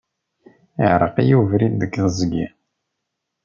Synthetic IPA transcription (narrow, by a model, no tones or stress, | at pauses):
iʕɾˤə̰qijuvɾind̪əkːðzɡḭ